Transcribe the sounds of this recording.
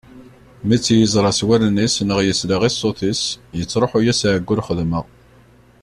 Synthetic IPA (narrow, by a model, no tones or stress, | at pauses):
mit͡sːjəzˤɾˤɑswælnisnəʁjəsləʁisˤoθisjət͡sːɾˤoħujæsʕəɡʷːʊlχəðməʁ